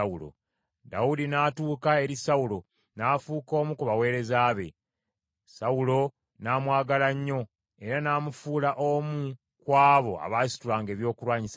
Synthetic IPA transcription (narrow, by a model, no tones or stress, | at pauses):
ulo̞̰ | da̰udinaːtuːkae̞ɾisaulo̞ | naːfuːko̞ːmukuβawe̞ːɾe̞zaːβe̞̰ | sawulo̞ | naːmwaːɡalaɲːo̞ | e̞ɾanaːmufuːlaʔomu | kwaːβo̞̰a̰βaːsi̥tulaːŋɡe̞ːβjo̞ːkulwaːɲisa